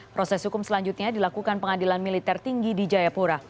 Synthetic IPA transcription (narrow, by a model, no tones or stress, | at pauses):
pɾɔsɛshukʊmsəlaɲd͡ʒut̪̚ɲadilakukanpəŋadilanmilit̪ɛrt̪iŋɡidid͡ʒajapuɾa